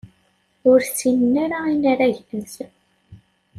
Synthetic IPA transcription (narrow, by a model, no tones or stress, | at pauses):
ʊɾt͡sːinənːaɾainaɾæʝnəs